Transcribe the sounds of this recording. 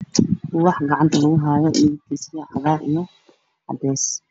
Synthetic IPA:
wɑħɡɑʕɑnt̪ʰɐlɐɣʊɦaːjɔʔɪjk̪ʰisjɐʕɑðaːɾʔijɔ | ʕɑ̰d̪ɛːs

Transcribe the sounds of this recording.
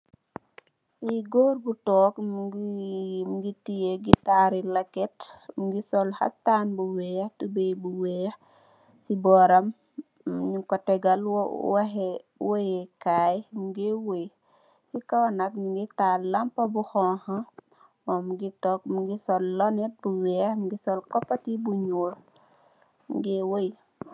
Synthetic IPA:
iɡoːɾbutɔːkmɡ | muɡitijeɡitaɾilakɛtmuɡisɔlha̰tanbuwɛhtubejbuwɛ | sibɔːɾɐm | ɲukɔtɛɡɐlwwahɛwojɛkajmuɡewoj | sikawanɐk̚ɲuŋɡitaːlɐmpɐbuxɔha | ɔmuɡitɔk̚muɡisɔlːɔnɛt̚buwɛːhmuɡisɔlkɔpːatibuɲuːl | mṵɡewoj

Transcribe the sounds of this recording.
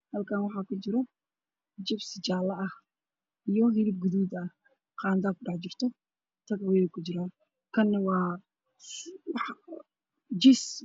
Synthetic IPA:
hɐlkʰaːnwɑħɑːkʰʊt͡ʃɪɾɔ | d͡ʒɪbsɪt͡ʃaːlɐʔɐh | ʔijɔɦɪlɪb̚ɡʊðuːd̪ɐ | qɑːnd̪akʊɖɑħt͡ʃɪrt̪ʰɔ | t̪ʰɐɡwɛjɛkʰʊt͡ʃɪɾaːn | kʰɐnːɐwɑː | wɑħ | d͡ʒɪs

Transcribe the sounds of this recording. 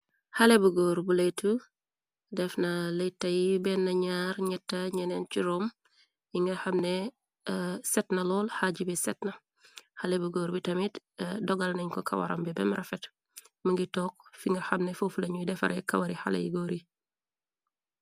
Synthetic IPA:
hɐlebuɡɔːɾbulejtːu | dɛfnɐlejtːɐjibɛnːɐɲaːɾɲɛtːɐɲɛnɛnt͡ʃiɾɔm | jiŋɡɐxɐmne | sɛtnɐlɔːlhaɟibɛsɛtnɐ | hɐlebuɡɔːɾbitɐmit | dɔɡɐlnɐɲkɔkʰɐ̰wɐ̰ɾɐ̰mbɛbɛmɾɐfɛt | mɐŋɡitɔːk̚fiŋɡɐxɐmnɛfofulɐɲudɛfɐ̰ɾʔɛkɐ̰wɐɾiha̰lɐ̰jḭɡɔɾi

